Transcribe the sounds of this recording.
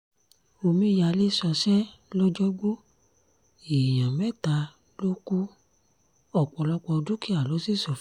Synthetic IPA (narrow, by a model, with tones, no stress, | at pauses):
o˧mĩ˧˦ja˧le˦sɔ˧ʃɛ˦lɔ˦d͡ʒɔ˦ɡ͡bo˦ | e˨j̃ã˨mɛ˦˨ta˧ | lo˦ku˦ | ɔ˨k͡pɔ˧lɔ˧k͡pɔ˧dũ˦ki˦a˦˨lɔ˨˦si˦˨sɔ˧˨f